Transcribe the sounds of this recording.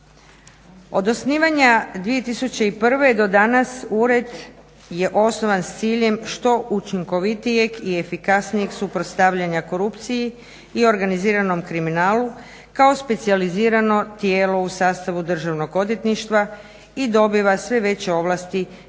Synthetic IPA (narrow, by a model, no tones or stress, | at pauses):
o̞d̪o̞sniːʋaɲad̪ʋije̞t̪isut͡ɕe̞ipr̩ʋe̞d̪o̞d̪anasuɾe̞d̪ | je̞ʔo̞sno̞ʋanst̪siːʎe̞mʃt̪o̞ʔut͡ʃiŋko̞ʋit̪ijeɡie̞fikasnijeɡsupɾot̪st̪aʋʎaɲako̞ɾupt̪sije | io̞ɾɡaniziːɾano̞mkɾiminaːlu | kaospe̞t̪sializiːɾano̞t̪jeːlo̞usaːst̪aʋud̪r̩ʒaʋno̞ɡo̞d̪jet̪niʃt̪ʋa | id̪o̞biʋasʋe̞ʋe̞t͡ɕe̞o̞ʋlˠast̪i